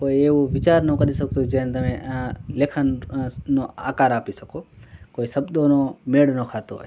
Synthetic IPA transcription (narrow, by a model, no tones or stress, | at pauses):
koːieːoʋɪt͡ʃaːɾnõːkəɾisɐɡ̚t̪ud͡ʒẽnt̪ɐmẽleːkʰənnoa̰ːkaːɾaːpisɐkʰoːkoːisɐbd̪oːnomeːɽnoːkʰaːt̪oɦo̰ːe